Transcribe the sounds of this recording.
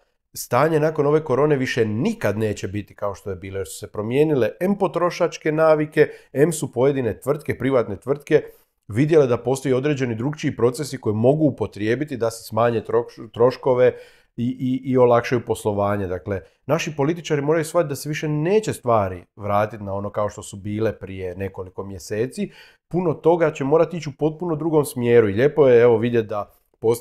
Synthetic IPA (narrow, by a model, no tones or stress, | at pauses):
st̪aːɲe̞nako̞no̞ʋe̞ko̞ɾo̞ːne̞ʋiʃe̞nikad̪ne̞ːt͡ɕe̞bit̪i̥kao̞ʃt̪o̞je̞biːlo̞je̞ɾsu̥se̞pɾo̞mje̞ːnile̞ʔempo̞t̪ɾo̞ʃat͡ʃke̞naːʋike̞emsupo̞je̞d̪ine̞t̪ʋr̩t̪̚ke̞pɾiʋat̪ne̞t̪ʋr̩t̪ke̞ | ʋid̪je̞led̪apo̞ːst̪ojo̞d̪ɾe̞ːd͡ʑe̞nid̪ɾuɡt͡ʃiːpɾo̞t̪se̞siko̞jimo̞ɡuːpo̞t̪ɾje̞ːbit̪id̪ase̞̥smaːɲe̞t̪ɾot̪ɾo̞ʃko̞ʋe̞ | iʔiːo̞lakʃajupo̞slˠo̞ʋaːɲe̞d̪akle̞ | naʃipo̞lit̪it͡ʃaɾimo̞ːɾajusʋat̪t̪̚d̪aseʋiʃe̞ne̞ːt͡ɕe̞st̪ʋaːɾiʋɾaːt̪it̪nao̞no̞kao̞ʃt̪o̞subiːle̞pɾije̞ne̞ko̞liko̞mje̞se̞ːt̪si | puno̞t̪o̞ɡat͡ɕe̞mo̞ːɾat̪it͡ɕupo̞t̪̚punod̪ɾuːɡo̞msmje̞ːɾuiʎe̞po̞jeeʋo̞ʋid̪jet̪̚d̪a | po